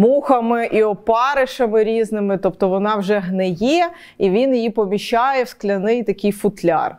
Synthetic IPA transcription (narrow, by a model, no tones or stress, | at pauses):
muxɐmɪʔiɔpɑɾɪʃɐmɪɾʲiznɪmɪt̪ɔpt̪ɔʋɔnɑwʒɛɦnɛjɛ | iʋʲinjijipɔmʲiʃɑjɛwsklʲɐnɪjt̪ɐkʲɪjfʊt̪lʲɑ̰r